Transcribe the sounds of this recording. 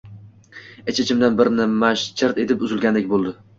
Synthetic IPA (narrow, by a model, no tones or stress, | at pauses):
et͡ʃʰɪt͡ʃʰɪmd̪anbɪɾɪnɪmaʃt͡ʃʰɪɾt̪e̞t̪ɪpʊzɪlˠɡʲand̪ek̚ʲbolˠd̪ɪ